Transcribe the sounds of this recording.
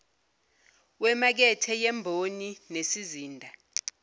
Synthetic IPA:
wɛmak̬ɛtʰɛjɛmbʱoninesiziːndʱa

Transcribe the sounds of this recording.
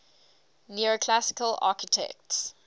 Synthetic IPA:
niokʰlasɪ̥kəla̰ːˑkɪtʰɛ̰k̚ts

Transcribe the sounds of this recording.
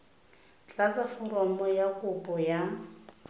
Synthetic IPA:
t͡ɬʼat͡sʼafɔrɔmɔjakʊpʼɔja

